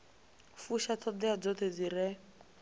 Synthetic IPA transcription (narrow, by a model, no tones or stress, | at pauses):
fuʃat̪ʰɔd̪ɛad͡zɔt̪ed͡ziɾɛ